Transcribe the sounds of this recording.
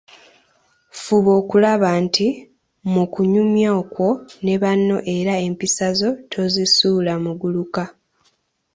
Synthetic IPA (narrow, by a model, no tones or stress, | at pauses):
fuβo̞ːkulaβaːnti | mukuɲumjaokwo̞ne̞βanːo̞ʔe̞ɾae̞mpisazo̞tʰo̞zisuːlamuɡuluka